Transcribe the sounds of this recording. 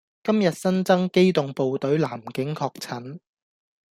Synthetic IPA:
kɐ˥mjɐ˨t̚sɐ˥nt͡sɐ˥ŋke˥jt̪ʊ˨ŋpo˨wt̪ɵ˨˥ɥlaː˨˩mkɪ˨˥ŋkʰɔː˧k̚t͡sʰɐ˨˥n

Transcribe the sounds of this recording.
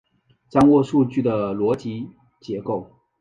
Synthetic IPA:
t͡sɑ˥˧ŋwɔ˥˧ʂu˥˧t͡ɕy˥˩d̪ə˩lwɔ˧˥t͡ɕi˧˥ | t͡ɕjɛ˧˥ko˥˩ʊ

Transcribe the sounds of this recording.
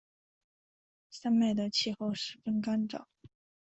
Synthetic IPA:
sa˥nma˥˩ɪd̪ə˩t͡ɕʰi˥˧xo˥˩ʊʂɻ̩˧˥˩fə˥nka˥nʈ͡ʂɑ̰˨˩˦

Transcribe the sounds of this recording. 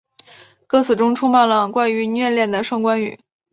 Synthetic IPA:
kɤ˥˩t͡sʰɹ̩˨˩ʈ͡ʂʊ˥ŋʈ͡ʂʰu˥ŋma˥˩nlə˩kwa˥˩ɪy˧˥n˥ɥɛ˥˧ljɛ˥˩nd̪ə˩ʂɑ˥˩ŋkwa˥ny̰˨˩˦

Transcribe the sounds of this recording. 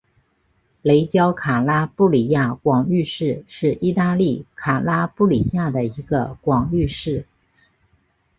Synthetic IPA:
le˧˥ɪt͡ɕjɑ˥ʊkʰa˨˩la˥pu˥˩li˨˩ja˥˩kwɑ˨˩ŋy˥˧ʂɻ̩˥˧ʂɻ̩˥˩i˥˧t̪a˥˧li˥˩kʰa˨˩la˥pu˥˩li˨˩ja˥˩d̪ə˩i˧˥ɡə̰˧kwɑ˨˩ŋy˥˧ʂɻ̩˥˩

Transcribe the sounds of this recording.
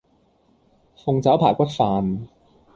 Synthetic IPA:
fʊ˨˧ŋt͡sɐ˨˥wpʰaː˨˩kʷɐ˥t̚faː˨˧n

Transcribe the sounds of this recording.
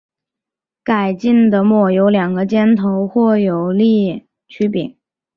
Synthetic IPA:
ka˨˩ɪt͡ɕi˥˩ŋd̪ə˩mwɔ˥˩jo˧˥ʊljɑ˨˩ŋɡə˦t͡ɕjɛ˥nt̪ʰo˧˥ʊxwɔ˥˩jo˨˩ʊli˥˩ | t͡ɕʰy˥pi˨˩˦ŋ

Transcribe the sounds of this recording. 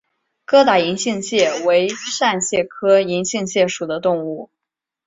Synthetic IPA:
kɤ˥t̪a˨˩i˧˥ŋɕi˥˧ŋɕjɛ˥˩we˧˥ɪʂa˥˧nɕjɛ˥˩kʰɤ˥i˧˥ŋɕi˥˧ŋɕjɛ˥˩ʂu˨˩d̪ə˦t̪ʊ˥˧ŋu˥˩

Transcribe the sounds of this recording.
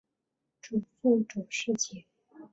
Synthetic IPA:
ʈ͡ʂu˨˩fu˥˩ʈ͡ʂu˨˩ʂɻ̩˥˧t͡ɕʰɛ˨˩˦

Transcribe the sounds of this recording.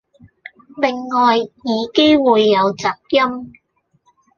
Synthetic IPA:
lɪ˨˩ŋːɔː˨jːiː˨˧ke˥jwuː˨˧jːɐ˨˧wt͡sɐː˨˩k̚jɐ˥m

